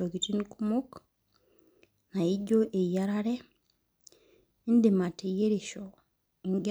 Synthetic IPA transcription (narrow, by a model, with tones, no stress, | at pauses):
oɡi˨ti˦nikumu˦k | na˨iɟo˦ʔe˨ijaɾaɾe˦ | i˦ndima˨te˨je˦ɾeʃo | ŋɡ